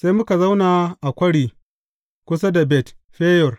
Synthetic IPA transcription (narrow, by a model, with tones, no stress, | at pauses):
sa˦jmʊ˦ka˨za˦wnaː˨ʔa˨kʷɐ˦ɽiː˨ | kʷʊ˦s̬a˦da˨bɛ˨tɸeː˦jɔ˨r